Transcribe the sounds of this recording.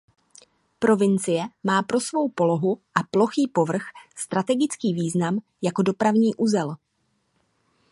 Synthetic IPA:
pɾo̞vɪnt͡sɪjɛmaːpɾo̞svo̞wpo̞lo̞ɦuʔaplo̞xiːpo̞vr̩xst̪ɾat̪ɛɡɪt͡skiːviːznam | jako̞do̞pɾavɲiːʔuzɛl

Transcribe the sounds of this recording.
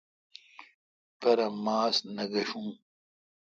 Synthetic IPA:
pɐɾɐmaːsnɐɡɐɕũː

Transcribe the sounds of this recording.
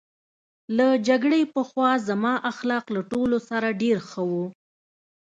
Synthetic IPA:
lad͡ʒaɡɽepəxwɑzamɑʔaxlɑqlaʈolosaɾaɖeɾxəwu

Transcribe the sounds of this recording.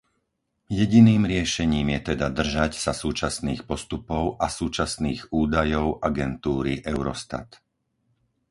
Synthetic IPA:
jɛɟiniːmɾɪɛʃɛɲiːmjɛt̪ɛd̪ad̪r̩ʒacsasuːt͡ʃasniːxpɔst̪upɔʊʔasuːt͡ʃasniːɣuːd̪ajɔʊʔaɡɛnt̪uːɾiʔɛʊɾɔst̪a̰t̪

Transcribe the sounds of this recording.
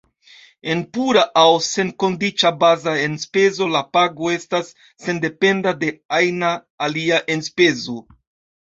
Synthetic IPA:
e̞npuɾaʔawse̞nko̞ndit͡ʃabazaenspe̞zo̞lapaɡo̞e̞stasː | e̞nde̞pe̞ndade̞ajnaː | liaʔe̞nspe̞zo̞

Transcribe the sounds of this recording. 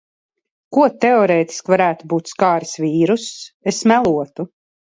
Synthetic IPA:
kuɔt̪ɛɔɾɛːt̪i̥skvaɾæːt̪ubuːt̪skaːɾisvʲiːɾusesmælˠuɔt̪u

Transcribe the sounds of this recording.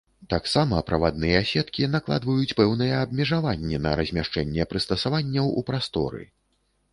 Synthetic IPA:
t̪aksamɐpɾɐvad̪̚nɨjɛasʲɛt̪kʲinaklˠa̰d̪vɐjut͡sʲpɛwnɨjɛːbmʲɛʐavanʲːɛnɐ̰ɾɐzʲmʲaʂt͡ʂɛnʲːɛpɾɨst̪ɐsavanʲːɐwupɾast̪ɔ̰ɾɨ̰

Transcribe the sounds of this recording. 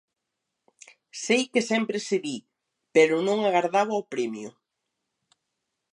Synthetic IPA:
sejkesɛmpɾeseβi | peɾʊnõŋaɣaɾðaβʊawpɾemjʊ̰

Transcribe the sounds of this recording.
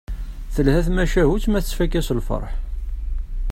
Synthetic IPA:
θəlhæθmæʃæhut͡sːmæθət͡sfækːæslfə̰ɾˤħ

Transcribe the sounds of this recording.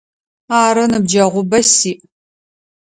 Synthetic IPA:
aːɾɐnɨbd͡ʒɐʁʷʊbɐsiːʔ

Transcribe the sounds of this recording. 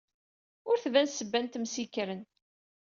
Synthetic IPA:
ʊɾθðænsəbːænt̪msikɾən

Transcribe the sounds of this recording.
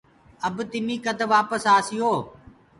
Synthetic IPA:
əbt̪ɪmĩːkəd̪ʋaːpəsaːsɪjoː

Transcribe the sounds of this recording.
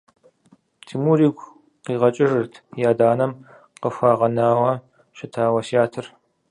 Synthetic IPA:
tʰiːmuɾiːɡʷ | qiːʁɐt͡ʃʼɪʒɨrtʰjaːdaːnɐm | qəxʷaːʁɐnaːwɐ | ʃɪtʰaːwɐsaːtʰɨr

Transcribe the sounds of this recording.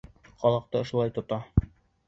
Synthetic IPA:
qʰɒlˠɑq̚t̪ɤŏʃulˠɑjt̪ŏt̪ɑ

